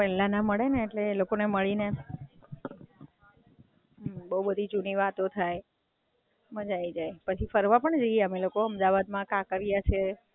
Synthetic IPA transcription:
pɛlãnaməɭeneːʈlelokoneməɭine | bəɦubəd̪ʱit͡ʃuɳiʋat̪ot̪ʰaj | məd͡ʒaid͡ʒajpət͡ʃʰifəɾʋapəɳd͡ʒəijeəmelokoəmd̪aʋad̪mãkãkəɾijat͡ʃʰe

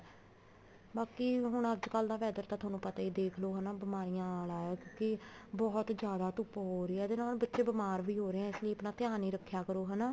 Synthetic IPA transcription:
baːkiːɦʊɳəd͡ʒkəld̪ãːʋɛːd̪əɾt̪ãːt̪ʰwaːnũːpət̪aːiːd̪eːkʰloːɦɛnaːbɪmaːɾijãːaːlaːɛːkjõːkɪbɔːt̪d͡ʒjaːd̪aːt̪ʊpːɦoːɾeːɛːd̪enãːlbətːʃeːbəmaːɾʋiːɦoːɾeɛ̃ːɪsləiːəpnaːt̪ɪjaːniːɾəkʰːjaːkəɾoːɦɛːnaː

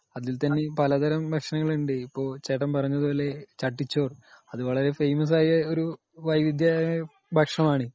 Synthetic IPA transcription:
ɐðilt̪ɐnːepɐlɐd̪ʱɐɾɐmbɐkʂɐnɐŋːɐɭuɳɖeipːo̞ːɭt͡ɕeːʈːɐmpɐrɐɲːɐðuoːlːe̞t͡ɕɐʈːit͡ɕːo̞ːrɐðɨʋɐɭɐɾe̞fejmɐs̬aːjɐoɾu | ʋɐjʋid̪ja | bʱɐkʂɐmaːɳɨ

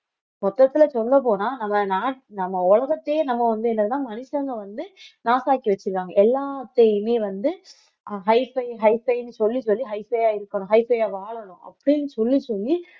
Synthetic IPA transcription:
mɔt̪ːɐt̪ːɪlɐsɔld̪ɐp̬oːnaːnɐmːɐnaːʈnɐmːɐɔɭɐɣɐt̪ːeːnɐmːɐʋɐnd̪ɯɛnɐkːɯt̪ãːmɐnɪʂɐŋɡɐʋɐnd̪ɯnaːsaːkiʋɐt͡ʃːɪɾɯkːaːŋɡɐɛlːaːt̪ɛjmeːʋɐnd̪ɯ | ɦɐɪfɐɪɦɐɪfɐɪnɯsɔlːisɔlːiɦɐɪfɐjaːɪɾɯkːɐɳʊ̃ɦɐɪfɐjaːʋaːɭɐɳʊ̃ɐ̰pːɐɽɪnːɯsɔlːisɔlːi

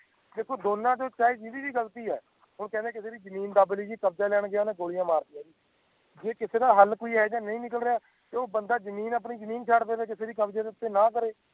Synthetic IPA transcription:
d̪eːkʰːoːd̪oːnãːd͡ʒoːt͡ʃaːiːd͡ʒiːd̪iːʋiːɡəlt̪iːɛ̰ː | ɦʊɳkɛ̃ːnd̪ẽːkɪseːd̪iːd͡ʒəmiːnd̪abliːd͡ʒiːkəbd͡ʒaːlɛːɳ̃ɡɪjaːnẽːɡoːɽijãːmaːɾd̪ijãːd̪iː | d͡ʒeːkɪseːd̪aːɦəlkoːiːɦɛːd͡ʒãːnəĩːnɪk̬əlɾeaː | t̪eːoːbənd̪aːzəmiːnəp̬niːzəmiːnt͡ʃʰaːɽpeːd̪aːkɪseːd̪iːkəbd͡ʒaːd̪ɪt̪ːeːnãːkəɾeː

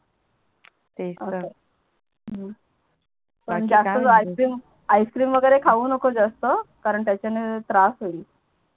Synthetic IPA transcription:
eəə | pəɳd͡zast̪ət͡sajskɾiːm | ajskɾiːmʋəɡəjɾekʰaʋuːnəkod͡zast̪əkaɾəɳt̪jat͡ɕanet̪ɾasɦoliː

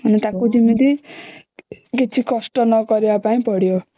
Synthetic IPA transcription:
ʌnet̪akud͡zimid̪i | ket͡sʰikʌsʈʌnʌɡʌɾjoapaĩpʌɽjo

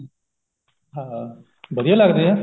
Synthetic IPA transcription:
ɦã | bʱəd̪ijalaɡd̪eɦã

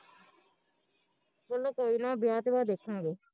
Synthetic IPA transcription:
bəlːoːkoːiːnãːbɪjaːt̪ːʋaːd̪eːkʰãːɡeː

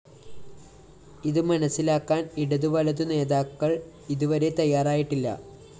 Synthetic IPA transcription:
iðɨmɐnɐsːilaːkːaːniɽɐðuʋɐlɐðɨne̞ːðaːkːɐɭ | iðuʋɐɾe̞t̪ɐjːaːraːjiʈːilːɐ̰

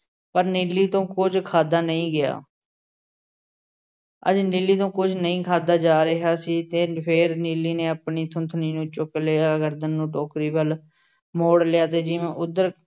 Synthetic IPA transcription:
pəɾniːliːt̪õːkʊd͡ʒkʰaːd̪aːnəĩːɡɪja̰ː | ə̰d͡ʒnilːiːt̪õːkʊd͡ʒnəĩːkʰaːd̪aːd͡ʒaːɾəɦaːsiːt̪eːpʰeːɾniːlːiːneːəpɳiːt̪ʰʊnt̪ʰniːnũːt͡ʃʊkleaːəɡəɾd̪ɪnːũːʈoːkɾiːbəl | moːɽlɪjaːt̪̬eːd͡ʒɪʋẽːʔʊd̪əɾ

